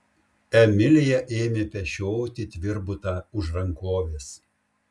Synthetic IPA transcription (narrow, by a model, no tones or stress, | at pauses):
ɛmʲɪlʲɪjɛʔeːmʲeːpʲɛʃʲoːt̪ʲɪt̪ʲʋʲɪɾbʊt̪ɑːʊʒɾɐŋkoːʋʲeːs